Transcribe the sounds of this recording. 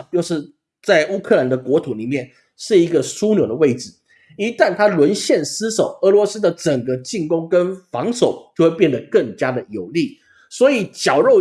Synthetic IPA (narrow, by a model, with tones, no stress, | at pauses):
t͡ɕjo˥˧ʊʂɻ̩˥˧ | t͡sa˥˩ɪʔu˥kʰɤ˥˩la˧˥nd̪ə˧kwɔ˧˥t̪ʰu˨˩ni˨˩mjɛ˥˩n | ʂɻ̩˥˩i˧˥ɡə˧su˥njo˨˩ʊd̪ə˦we˥˩ɪʈ͡ʂɻ̩˨˩ | i˧˥t̪a˥˩nt̪ʰa˥lwə˧˥nɕjɛ˥˩nsɹ̩˥ʂo˨˩ʊə˧˥lwɔ˧˥sɹ̩˥d̪ə˨ʈ͡ʂə˨˩ŋɡə˦t͡ɕi˥˩ŋkʊ˥ŋkə˦nfɑ˧˥ŋʂo˨˩ʊt͡ɕjo˥˧we˥˧p̬jɛ˥˩nd̪ə˩kə˥˩ŋt͡ɕja˥d̪ə˨jo˨˩ʊli˥˩ | swɔ˧˥i˨˩t͡ɕjɑ˨˩ʊɻo˥˩ʊ